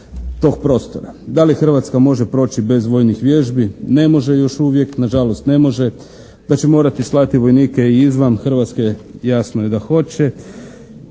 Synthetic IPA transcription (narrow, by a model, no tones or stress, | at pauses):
t̪o̞ːɡ̚pɾo̞ːst̪oɾad̪alixr̩ʋat̪skamo̞ʒepɾo̞ːt͡ɕibe̞zʋo̞jnixʋje̞ʒbine̞mo̞ʒe̞jo̞ʃuʋje̞knaʒalost̪ne̞mo̞ʒe̞ | d̪at͡ɕe̞mo̞ːɾat̪islˠat̪iʋo̞jniːkeiizʋanxr̩ʋat̪skejasnojed̪axo̞t͡ɕe̞